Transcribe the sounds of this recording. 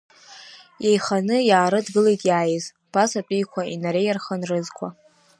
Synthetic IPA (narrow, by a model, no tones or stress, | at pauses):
jejχanɨjaːɾɨdɡɨlejtʼjaːjɪz | pʰasapʼijkʷʰainaɾe̞jarχənrɨzkʷʰa